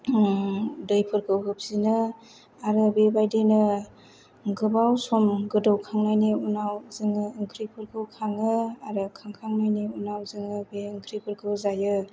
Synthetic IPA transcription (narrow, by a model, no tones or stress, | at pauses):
dɯjpʰɯɾkʰɯwɦɯp̚sinɯ | aɾɯbebajdenɯ | ɡɯbawsomɡɯdowkʰaŋnajniunawzɯŋɯːŋkʰɾipʰɯɾkʰɯwkʰaŋɯaɾɯkʰaŋkʰaŋnajniunawzɯŋɯbeɯŋkʰɾipʰɯɾkʰɯwzajɯ